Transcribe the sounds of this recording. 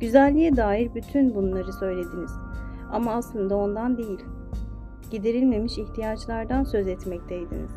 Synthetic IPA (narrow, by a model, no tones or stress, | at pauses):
ɟ̥yzælʲːijɛd̪aːjiɾbyt̪ʰynbunlˠaɾɯsø̞jlʲe̞d̪iniz̥ | a̰maːslˠɯnd̪ao̞nd̪and̪ejilʲ | ɟ̥id̪iɾilʲme̞miʃiht̪ʰijat͡ʃlˠaɾd̪ansø̞zɛt̪mɛct̪ʰejd̪inḭz̥